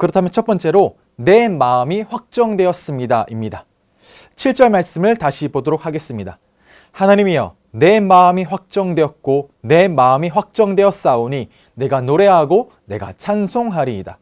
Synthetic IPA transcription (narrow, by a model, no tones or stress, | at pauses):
kɯɾʌtʰamjʌnt͡ɕʰʌt̚p͈ʌnt͡ɕ͈e̞ɾo | ne̞maɯmiɸwak̚t͡ɕ͈ʌŋdwe̞ʌs͈ɯmɲidaʔimɲida | t͡ɕʰiɭt͡ɕ͈ʌɭmaɭs͈ɯmɯɭtaɕʰibodoɾok̚ʰhaɡe̞s͈ɯmɲida | hanaɲimiʌ̰ | ne̞maɯmiɸwak̚t͡ɕ͈ʌŋdwe̞ʌt̚k͈o | ne̞maɯmiɸwak̚t͡ɕ͈ʌŋdwe̞ʌs͈aoɲi | ne̞ɡanoɾe̞ɦaɡo | ne̞̰ɡa̰t͡ɕʰansʰoŋɦaɾida̰